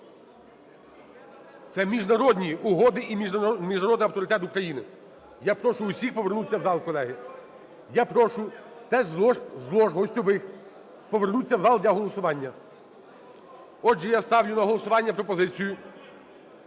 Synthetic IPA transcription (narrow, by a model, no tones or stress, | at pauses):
t̪sɛmʲiʒnɐɾɔd̪ʲnʲiʊɦɔd̪ɪʔimʲmʲiʒnɐɾɔd̪nɐwt̪ɔɾɪt̪ɛt̪ʊkɾɐjinɪ | japɾɔʃʊːsʲixpɔʋernut͡sʲːɐwzɑlˠkɔlˠɛɦɪ | japɾɔʃʊt̪ɛʒzlˠɔʃɦɔsʲtʲɔʋɪx | pɔʋernut͡sʲːɐwzɑlˠd̪ʲlʲɐɦɔlˠɔsʊʋɑnʲːɐ | ɔʒɛjast̪ɑwlʲʊnɐɦɔlˠɔsʊʋɑnʲːɐpɾɔpɔzɪt͡sʲijʊ